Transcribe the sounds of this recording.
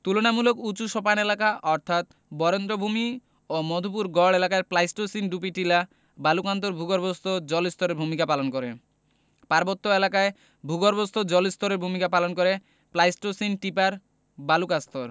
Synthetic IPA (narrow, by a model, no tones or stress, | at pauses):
t̪ulonamulokut͡ɕuʃɔpanelakaʔɔɾt̪ʰat̪ | bɔɾend̪ɾobʱumi | omɔd̪ʱup̬uɾɡɔɭelakaeplajsʈosinɖup̬iʈila | balukant̪̬oɾbʱuɡoɾbost̪ʰod͡ʑɔlist̪ʰɔɾeɾbʱumikapalonkoɾḛ | paɾbot̪ːoelakae | bʱuɡoɾbost̪ʰod͡ʑɔlist̪ʰoɾeɾbʱumikapalonkoɾe | plajsʈosinʈipaɾ | balukast̪oɾ